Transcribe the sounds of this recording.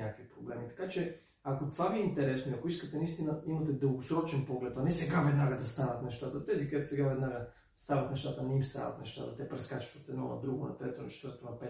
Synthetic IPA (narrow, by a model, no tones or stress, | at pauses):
akvipɾoblɛmit̪ɐ̥kat͡ʃɛ | akot̪ovaviɛint̪ɛɾɛsnoiɐkoiskət̪ɛnɐist̪inɐimɐt̪ɛd̪əlˠɡosɾɔt͡ʃɛnpɔɡlɛt̪anɛsɛɡavɛd̪naɡəd̪ɐst̪anɐt̪nɛʃt̪at̪ɐt̪ɛzikd̪ɛt̪sɛɡavɛd̪naɡə | st̪avɐt̪nɛʃt̪at̪ənɛimst̪a̰vɐ̰t̪nɛʃt̪a̰t̪ɐt̪ɛpɾɛskat͡ʃi̥vət̪ɛd̪nɔ̰nɐ̰d̪ɾuɡonɐ̰t̪ɾɛt̪onɐ̰t͡ʃɛ̥t̪vəɾt̪onɐpɛ